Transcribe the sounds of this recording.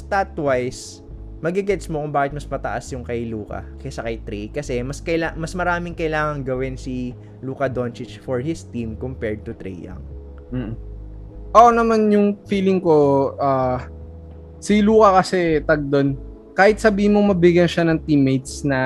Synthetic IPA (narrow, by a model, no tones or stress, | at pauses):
st̪at̪wajs | mɐɡɪɡɛt̪smokʊmbaːkɪt̪mɐspɐt̪ɐʔasjʊŋkɐjluːkɐ̰kɐsɐkɐjt̪ɾikɐsɛmɐskɐjlamɐsmɐɾaːmɪŋkɐjlaːŋɐŋɡɐwɪnsi | luːkɐd̪o̞nt͡ʃɪt͡ʃfɔɹhɪst̪imkompɛɹd̪̚t̪ʊt̪ɾɛ̰jɐ̰ŋ | m̩ːʔ̩ | ʔoʔonɐmanjʊŋfiːlɪŋkoʔa | siluːkɐkɐsɛt̪ɐɡ̚d̪on | kaːhɪt̪̚sɐbiːhɪnmomɐbɪɡjɐnʃanɐŋt̪imejt̪̚snɐ